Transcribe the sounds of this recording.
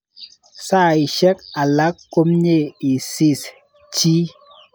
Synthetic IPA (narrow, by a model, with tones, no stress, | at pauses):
sa˦˨i˨ʃɛ˦k̚a˨la˦kːo˦mɲe˦˨i˨si˦˨s | t͡ʃi˦